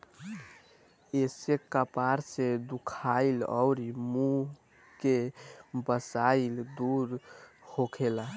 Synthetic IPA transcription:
esekapaɾsed̪ukʰailɔ̰ʊɾimũ | kebəsaild̪uɾhokʰela

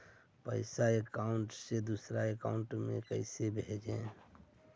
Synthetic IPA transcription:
pə̰ɪsaekaːʊɳʈsed̪usɾaeka̰ːʊɳʈmḛ̃kəɪsebʱed͡ʒẽː

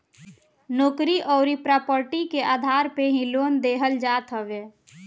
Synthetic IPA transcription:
noːkɾiʔɔːɾipɾaːpəɾʈikeʔaːd̪ʱaːɾpeɦĩloːnd̪eːɦəld͡ʒaːt̪ɦəʋe

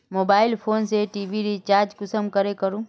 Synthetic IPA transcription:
moːbaːɪlpʰoːnseʈiːbiɾit͡ʃaːɾd͡ʒkʊsəmkɐɾekɐɾũː

